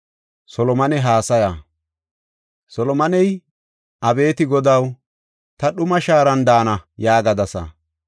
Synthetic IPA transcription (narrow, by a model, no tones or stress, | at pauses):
sɔlɔmɐnɛɦaːsɐja | sɔlɔmɐnɛj | ʔɐbe̞ːt̪ɪɡɔd̪ɐw | t̪ɐɗʊmɐʃaːɾɐnd̪aːnɐjaːɡɐd̪ɐsɐ̰